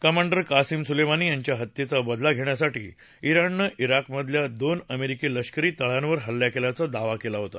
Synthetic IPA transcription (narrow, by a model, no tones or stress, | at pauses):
kəmaɳɖəɾkasiːmsulemaniːjaɲt͡ɕjaɦət̪ːjet͡sabəd̪laɡʱeɳjasaʈḭː | iɾanːəʔiɾakməd̪ʱljad̪onəmeɾikeləɕkəɾiːt̪əɭãnʋəɾɦəlːjakelat͡sad̪aʋakelaɦot̪a̰